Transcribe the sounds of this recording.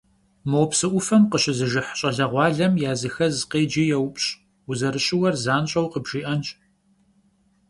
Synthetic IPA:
mɨwpsɨʔʷʊfɐmqəɕɪzɨʒɪħɕʼɐɮɐʁʷɑːɮɐmjaːzɨxɐzqeːd͡ʒiːjɛwpʼɕʼ | ʊzɐɾɨɕʼɪwɐrzaːnɕʼɐwqəbʒ̥iːʔɐnt͡ʃʼ

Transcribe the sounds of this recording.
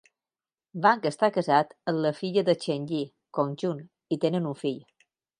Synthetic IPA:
baŋkəst̪akəzat̪ənləfiʎəðət͡ʃeɲʎi | konʲʒun | it̪enənuɱfiʎ

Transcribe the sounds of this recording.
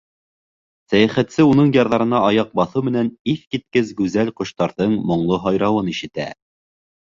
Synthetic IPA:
sæjæχæt̪sɘunɤɴjɑɾðɑɾɤ̆nɑɑjɑq̚bɑθɤwmɘ̆næniθkit̪̚kɘzɡʉzælqŏʃt̪ɑɾðɤɴmŏɴlˠɤɦɑjɾɑwɤniʃɘ̆t̪æ̰

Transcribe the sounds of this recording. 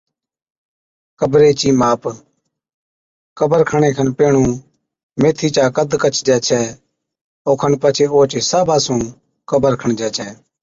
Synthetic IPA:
kəbɾeːt͡ʃiːmaːp | kəbəɾkʰəɳ̃eːkʰənpeːɳũː | meːt̪ʰiːt͡ʃaːkəd̪kət͡ʃʰd͡ʒɛːt͡ʃʰɛː | oːkʰənpət͡ʃʰeːoːt͡ʃeːsaːbʱaːsũː | kəbəɾkʰəɳd͡ʒɛːt͡ʃʰɛː

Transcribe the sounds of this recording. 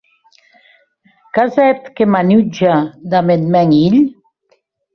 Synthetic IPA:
kazɛt̪kemanyd͡ʒad̪amed̪mɛŋiʎ

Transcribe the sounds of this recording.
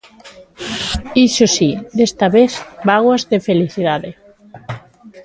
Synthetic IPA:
isosiðest̪aβeθbaɣwazðefeliθiðaðe

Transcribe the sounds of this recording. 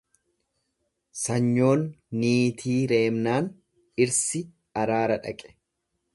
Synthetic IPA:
sɐɲːo̞ːnːiːt̪ʰiːɾe̞ːmnaːn | ɪɾsɪ | ɐɾaːɾɐᶑɐ̰kʼɛ̥

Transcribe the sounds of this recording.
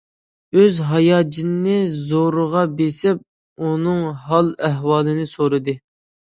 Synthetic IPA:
øzɦɑjɑːd͡ʒɪnnɪzoɾəʁɑbesɪp̚ | unɨŋɦɑlˠæɦwɑːlˠɨnɨsoɾɨd̪ɨ

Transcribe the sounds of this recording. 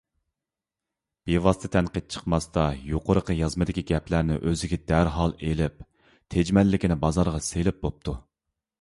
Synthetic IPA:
b̥evɑst̪ʰɨt̪ʰɛnqəd̪̚t͡ʃʰə̥qmɑst̪ɑjoqʰʊɾəqʰəjɑzmɨd̪ɪkʲiɡʲɛpʰlæɾnɪ̰ʔøzɪɡʲɛd̪æɾɦɑlˠelɪp̚ | t̪ʰed͡ʒmɛlːɪkʲinɪbɑzɑɾʁɑselɪp̚bop̚t̪ʰu

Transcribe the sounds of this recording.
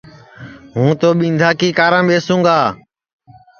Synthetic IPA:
ɦũːt̪oːɓĩːnd̪ʱaːkiːkaːɾãːɓeːsũːŋɡaː

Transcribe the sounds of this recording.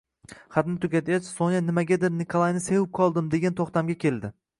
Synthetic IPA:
χat̪nɪt̪ʰʊɡʲat̪ʰjat͡ʃsonjanɪmaɡʲad̪ɪɾnɪkʰolˠajnɪsewɪp̚kʰɒlˠd̪ɪmd̪eɡʲant̪ʰoχt̪amɡʲakʲʰe̞ld̪ɪ

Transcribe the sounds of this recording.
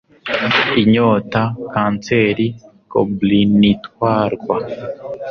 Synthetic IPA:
iɲoːtakaːnt͡seɾi | ko̰blinitwaːɾɡwa

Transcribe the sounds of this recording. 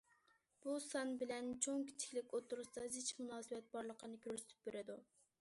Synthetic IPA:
b̥usɑnbɪlɛnt͡ʃʰoŋkʲʰi̥t͡ʃ̪ʰɪ̥kʲlɪkʲot̪ʰːuɾust̪ɑzɪt͡ʃmunɑːsɨwɛt̪̚bɑɾlˠəqʰənɨkʲʰøɾsɪ̥t̪ʰy̥p̚beɾɪd̪u

